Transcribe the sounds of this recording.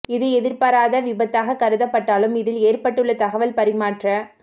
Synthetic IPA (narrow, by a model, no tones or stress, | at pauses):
ɪðɯɛðɪɾpɐɾaːðɐʋɪbɐt̪ːaːɣɐkɐɾɯðɐpːɐʈːaːlɯmɪðɪleːrpɐʈːɯɭːɐt̪ɐɣɐʋɐlpɐɾɪmaːʈrɐ